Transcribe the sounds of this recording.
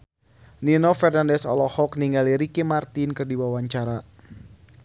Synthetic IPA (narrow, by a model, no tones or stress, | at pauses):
ninɔfɛrnandɛsɔ̰lɔhɔkniŋɡaliɾikimart̪inkɨrdiwawaɲt͡ʃaɾa